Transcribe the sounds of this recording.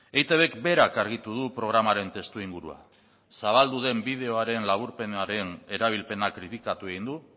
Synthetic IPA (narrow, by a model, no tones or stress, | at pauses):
ejt̪eβe̞kbe̞ɾakaɾɣ̞it̪uð̞upɾo̞ɣ̞ɾamaɾe̞nt̪e̞st̪uiŋɡuɾṵa̰ | saβ̞ald̪uð̞e̞mbið̞e̞o̞aɾe̞nlaβuɾpe̞neaɾe̞ne̞ɾaβ̞ilpe̞nakɾit̪ikat̪ue̞ɣ̞ind̪u